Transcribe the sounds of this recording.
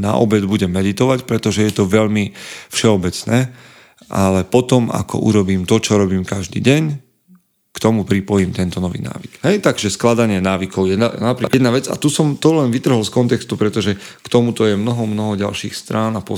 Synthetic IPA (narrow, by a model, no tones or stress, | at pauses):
na̰ʔɔ̰bɛd̪buɟɛmːɛd̪it̪ɔʋacpɾɛt̪ɔʒɛjɛt̪ɔʋɛʎmifʃɛɔbɛt͡snɛː | ʔalɛpɔt̪ɔma̰kɔ̰ʔṵɾɔbiːmt̪ɔt͡ʃɔɾɔbiːmkaʒd̪ḭːɟɛɲ | kt̪ɔmupɾipɔjiːmt̪ɛnt̪ɔnɔʋḭːna̰ːʋikɦɛjt̪aɡʒɛsklad̪aɲɪɛnaːʋikɔʊjɛnanapɾijɛd̪naʋɛd͡za̰t̪usɔmt̪ɔlɛnʋit̪r̩ɦɔlskɔnt̪ɛkst̪upɾɛt̪ɔʒɛkt̪ɔmut̪ɔjɛmnɔɦɔmnɔɦɔɟa̰lʃḭːxst̪ɾaːnapɔ